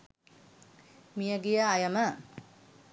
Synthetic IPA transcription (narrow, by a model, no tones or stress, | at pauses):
mijəɡejəːjəmə